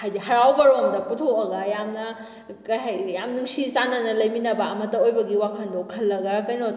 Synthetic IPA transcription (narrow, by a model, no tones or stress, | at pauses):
hajdiɦɐɾawɡɐɾomdɐputʰoɐɡɐjamnɐ | kɐjɦajjamnuŋsisanɐnɐlɐjminɐbɐːmɐtːɐojbɐɡiwakʰɐndokʰɐlːɐɡɐkɐjno